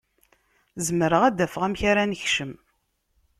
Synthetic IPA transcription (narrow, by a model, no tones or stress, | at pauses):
zəmɾəʁæd̪æfəʁæmçaɾænəçʃəm